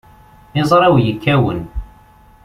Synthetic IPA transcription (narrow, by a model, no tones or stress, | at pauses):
ɪzˤɾˤɑwjəkʰːæwə̰n